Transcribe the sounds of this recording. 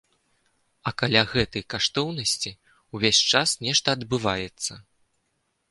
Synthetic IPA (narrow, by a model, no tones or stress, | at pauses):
ɐkalʲaɣɛt̪ɐjkaʂt̪ɔwnɐsʲt͡sʲi | uvʲesʲt͡ʂasnʲɛʂt̪ɐːd̪bɨvajɛt̪sːɐ